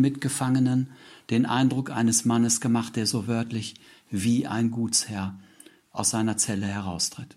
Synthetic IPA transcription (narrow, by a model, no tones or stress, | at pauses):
mɪtɡ̥əfaŋənənd̥eːnʔa̰ɪndʁʊkʔa̰ɪnəsmanəsɡ̥əmaχtd̥eːɐzoːvœɐtʰlɪç | viːʔa̰ɪnɡuːt͡shɛɐ | ʔaʊsz̥aɪnɐt͡sɛləhɛʁaʊstʁ̥ɪt